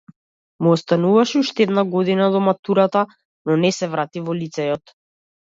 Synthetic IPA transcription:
muɔst̪anuvaʃɛuʃt̪ɛd̪naɡɔd̪inad̪ɔmat̪uɾat̪a | nɔnɛsɛvɾat̪ivɔlit̪sɛjɔt̪

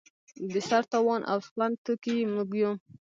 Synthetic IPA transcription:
d̪əʃaɾt̪awɑnʔa̰wspant̪ukimuɡjum

